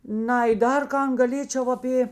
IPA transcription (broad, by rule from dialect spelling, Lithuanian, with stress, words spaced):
ˈnɐɪ ˈdɐr ˈkɐn ɡɐˈlʲeːt͡ʃʲɛʊ ɐˈpʲeː